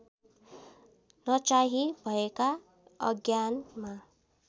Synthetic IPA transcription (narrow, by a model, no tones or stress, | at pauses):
nʌt͡saɦibʱʌeka | ʌ̰ɡjanma